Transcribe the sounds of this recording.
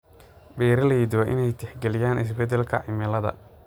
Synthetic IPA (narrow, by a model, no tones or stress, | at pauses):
bɛːɾɐlɐjid̪ʊɐʔɪ̰nɛjt̪ʰɛħɡɛlɪjaːnɪs̬bɛd̪ɛlkʰɐ̰ʕɪmɐlɐðɐ̰